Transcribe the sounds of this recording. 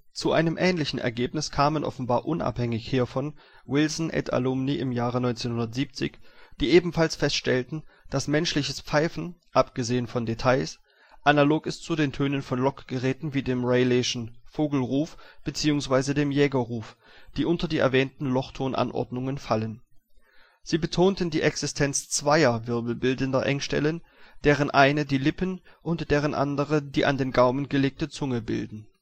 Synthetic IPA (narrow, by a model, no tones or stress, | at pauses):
t͡suʔa̰ɪnəmʔɛːnlɪçn̩ʔɛ̰ɐɡeːpnɪskʰaːmənʔɔ̰fn̩baːɐʔʊnʔa̰phɛŋɪçhiːɐfɔn | wɪlsn̩ʔɛ̰tʰa̰lʊmniʔɪmjaːʁənɔʏnt͡seːnhʊndɐtz̥iːp̚t͡sɪ̰çd̥iːʔeːbm̩falsfɛstʃtɛltn̩d̥asmɛnʃlɪçəsp͡faɪfn̩ʔapɡ̥əzeːənfɔndetʰaɪs | ʔanaloːkɪstt͡sudeːntʰøːnənfɔnlɔkɡ̥əʁɛːtn̩viːdeːmʁeɪleʃn̩foːɡl̩ʁuːfb̥ət͡siːʊŋsv̥aɪzədeːmjɛːɡɐʁuːfd̥iːʔʊntɐdiːʔɛ̰ɐvɛːntn̩lɔχtʰoːnʔa̰nʔɔ̰ɐdnʊŋənfalən | z̥iːbətʰoːntn̩diːʔɛksɪstʰɛnt͡st͡sv̥aɪɐvɪɐbl̩bɪldəndɐʔɛŋʃtɛ̰lənd̥eːʁ̞ənʔaɪnədiːlɪpənʔʊntd̥eːʁ̞ənʔa̰ndəʁədiːʔa̰ndeːnɡaʊmənɡəleːk̚tət͡sʊŋəbɪ̰ldn̩